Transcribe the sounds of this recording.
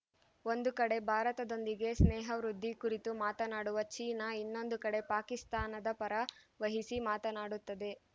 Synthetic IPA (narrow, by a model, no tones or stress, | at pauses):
o̞nd̪ukɐɽe̞bʱaːɾɐt̪ɐd̪o̞nd̪iɡe̞snɛːɦɐʋɾud̪ʱːikuɾit̪umaːt̪ɐnaːɽuʋɐt͡ʃiːnɐinːo̞nd̪ukɐɽe̞paːkist̪aːnɐd̪ɐpɐɾɐʋɐɦisimaːt̪ɐnaːɽut̪ːɐd̪e̞